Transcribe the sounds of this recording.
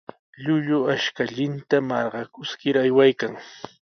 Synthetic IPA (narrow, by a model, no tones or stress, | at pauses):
ʎʊʎʊaʃkaʎɪnt̪amɑɾɢɑkʊskɪɾajwajkaŋ